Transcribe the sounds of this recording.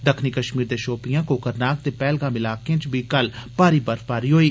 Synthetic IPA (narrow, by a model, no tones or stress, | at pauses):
d̪əkʰniːkəʃmiːɾd̪eːʃoːpijãːkoːkəɾnaːk̚t̪eːpɛːlɡãːmɪlaːkẽːt͡ʃbiːkəlpaːɾiːbəɾfpaːɾiːɦoːiː